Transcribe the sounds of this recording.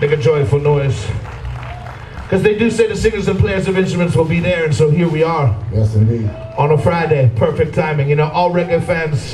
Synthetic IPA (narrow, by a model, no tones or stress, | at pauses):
meɪkɨ̃nd͡ʒɔɪfənɔɪz̥ | kʰʌzðeɪdɨseɪðəsɪ̃ŋə˞zə̃npʰl̥eɪə˞zʌvɪ̃nstɹ̥əmə̃ntswɪlˠbiðə˞ɨ̃nsoʊɦiɹwiə˞jɛsndi | ə̃nəfɹaɪdeɪpʰɜ˞fɪk̚tʰãɪ̃mɪ̃ŋjɨnoʊʔɔlˠɹɛɡəfæ̃nz̥